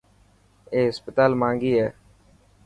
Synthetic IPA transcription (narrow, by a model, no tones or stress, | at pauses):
eːɦɪspət̪aːlmãːŋɡiːɦɛː